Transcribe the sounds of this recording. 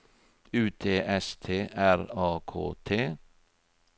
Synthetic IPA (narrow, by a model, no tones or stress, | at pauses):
ʉːt̪ʰeːʔɛst̪ʰeːʔæɾɑːkʰo̰ːt̪ʰeː